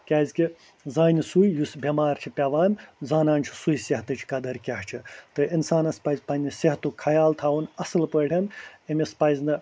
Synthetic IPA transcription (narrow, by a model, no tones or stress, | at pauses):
kʲaːzʲkʲi | zaːnʲisujjusbʲemaːɾʲt͡ʃʰipʲɐʋaːmʲzaːnaːnʲt͡ʃʰi̥sujsɐɦt̪ɨt͡ʃʰi̥kɐd̪ɐɾkʲɐɦt͡ʃʰit̪ɨʔinsaːnɐspɐjzʲpɐnʲːisɐɦt̪ukʰɐjaːlt̪ʰaːwunɐsɨlpəɽʰʲɐnɐmʲispɐjzʲnɨ